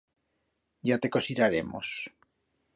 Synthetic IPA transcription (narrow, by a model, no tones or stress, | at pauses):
ɟ͡ʝat̪ekosiɾaɾemo̰s